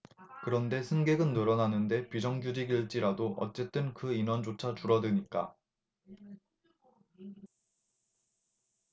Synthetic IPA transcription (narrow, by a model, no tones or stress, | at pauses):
kɯɾʌnde̞sʰɯnɡe̞ɡɯnːɯɾʌnanɯnde̞pid͡ʑʌŋɡjud͡ʑiɡiɭt͡ɕ͈iɾadoʔʌ̰t͡ɕ͈e̞t͈ɯnkɯinʌnd͡ʑot͡ɕʰat͡ɕuɾʌdɯɲik͈a̰